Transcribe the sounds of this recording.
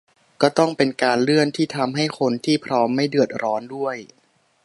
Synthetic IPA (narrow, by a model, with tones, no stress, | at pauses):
kɔː˥˩t̪ɔ˥˩ŋpe˧nkaː˧nlɯ˥˩ənt̪ʰiː˥˩t̪ʰa˧mɦa˥˩jxʰo˧nt̪ʰiː˥˩pʰɾɔː˦˥mːa˥˩jdɯ˨˩ət̪̚ɾʔɔː˦˥ndu˥˩əj